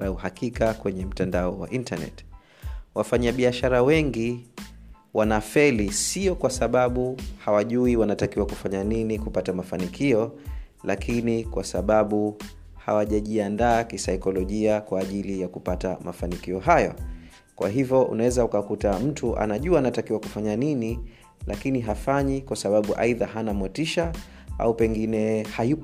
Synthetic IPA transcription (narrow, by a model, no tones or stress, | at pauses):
uhakikakwɛɲɛm̩tandaɔwa̰ʔintanɛ̰t | wafaɲaɓiaʃaɾawɛŋɡi | wanafɛlisiɔkwasaɓaɓuhawaʄuiwanatakiwakufaɲaninikupatamafanikʰiɔ | lakʰinikwasaɓaɓu | ha̰waʄaʄiandaːkisaikɔlɔʄiakwaːʄilijakupata̰mʔa̰fanikiɔɦajɔ̰ | kwa̰ɦivjɔʔṵnawɛzaukakutam̩tʰuʔa̰naʄuaːnatakiwaku̥faɲanini | lʔakiniɦafaɲikwasaɓaɓuʔa̰iðaɦanamwɛtiʃa | a̰upɛŋɡinɛhaju